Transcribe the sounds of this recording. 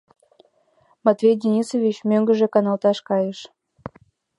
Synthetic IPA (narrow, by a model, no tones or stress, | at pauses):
mɑt̪vʲejd̪ʲinʲisovʲit͡ɕmøŋɡə̆ʒĕkɑnɑlt̪ɑʃkɑjəʃ